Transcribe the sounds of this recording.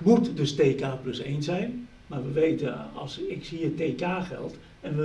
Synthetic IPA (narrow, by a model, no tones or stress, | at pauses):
mutdøsteːkaːpløsḛːnsɛjn | marʋəʋeːtəɔ̰lˠsɪksiəteːkaːxɛ̰lˠt | ɛnʋə